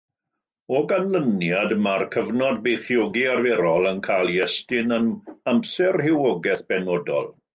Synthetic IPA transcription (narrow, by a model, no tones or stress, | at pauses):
ɔɡanlənjadmarkʰəvnɔd̚bejθjɔɡiarvɛɾɔlˠənkʰajlˠjɛstɪnənamsɛrhɪwɔɡɛθb̥ɛnɔdɔ̰lˠ